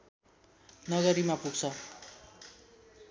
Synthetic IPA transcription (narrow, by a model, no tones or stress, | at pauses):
nʌɡʌɾimapuɡt͡sʰʌ